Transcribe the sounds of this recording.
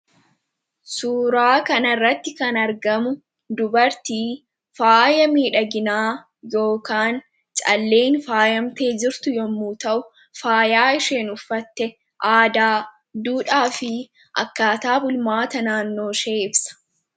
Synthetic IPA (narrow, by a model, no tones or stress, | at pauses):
suːɾaːkɐnɐrːɐt̪ːɪkɐnɐɾɡɐmʊ | d̪ʊbɐɾt̪iː | faːjɐmiːᶑɐɡɪnaː | jo̞ːkaːn | t͡ʃʼɐ̰lːeːnfaːjɐmt̪e̞ːd͡ʒɪɾt̪ʊjɔmːuːt̪ɐʔʊ | faːjaːɪʃe̞ːnʊfːɐt̪ːɛ | ʔaːd̪aː | d̪uːᶑaːfɪ | ʔɐ̰kːaːt̪aːbʊlmaːt̪ɐnaːnːo̞ːʃeːʔɪbsɐ̥